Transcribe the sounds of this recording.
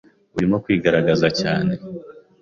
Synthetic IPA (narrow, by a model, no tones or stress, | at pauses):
uɾimo̞kwiːɡaɾaɡazacaːne̞